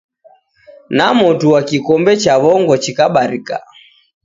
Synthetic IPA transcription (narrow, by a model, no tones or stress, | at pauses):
namɔtuwakikɔmbɛt͡ʃaβɔŋɡɔt͡ʃikaɓaɾika̰